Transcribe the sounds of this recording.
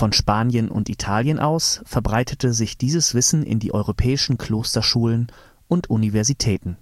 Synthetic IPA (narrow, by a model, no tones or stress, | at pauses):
fɔnʃpaːnjənʊ̰ntitʰaːljənʔa̰ʊsfɛɐbʁaɪtʰətəzɪçd̥iːzəsv̥ɪsn̩ɪ̰ndiːʔɔʏʁopʰɛːɪʃn̩kʰl̥oːstɐʃuːlən | ʔʊntʔunivɛɐzitʰɛːtn̩